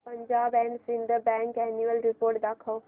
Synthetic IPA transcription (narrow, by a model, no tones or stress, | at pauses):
pɐ̃ɲd͡ʒaːbɛ̃ːɳsɪ̃nd̪əbɛ̃ːŋkɛːnuəlɾɪpoːɾʈ̚d̪aːkʰoː